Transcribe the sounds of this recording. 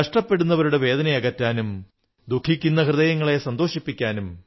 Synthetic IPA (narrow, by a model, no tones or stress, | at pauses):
ɐʂʈɐpːe̞ɽunːɐʋɐɾuɽe̞ʋe̞ːd̪ɐnɐjɐɣɐtːaːnum | d̪ukʰːikʲːunːɐhrɨðɐjɐŋːɐɭe̞sɐnd̪o̞ːʂipːikʲːaːnum